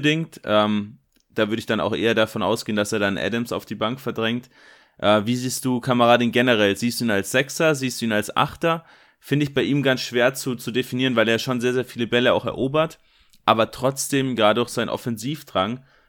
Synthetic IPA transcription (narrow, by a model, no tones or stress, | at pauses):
dɪŋtʔɛːm | d̥aːvʏɐdəɪçd̥ana̰ʊxʔḛːɐdafɔnʔa̰ʊsɡ̥eːəndaseːɐdanʔɛ̰dəmsa̰ʊfd̥iːbaŋkfɛɐdʁɛŋt | ʔɛːviːziːst̚d̥uːkʰaməʁaːdɪnɡɛnəʁɛlziːstd̥uːiːnalsz̥ɛksɐziːstd̥uːiːnalsʔa̰χtɐ | fɪndəɪçb̥aɪʔiːmɡansʃv̥eːɐt͡sut͡sudefiniːʁənvaɪleːɐʃoːnzeːɐzeːɐfiːləbɛləa̰ʊxɛɐʔoːbɐt | ʔaːbɐtʁ̥ɔt͡sd̥eːmɡʁaːdəɔxz̥aɪnʔɔ̰fɛnziːfd̥ʁaŋ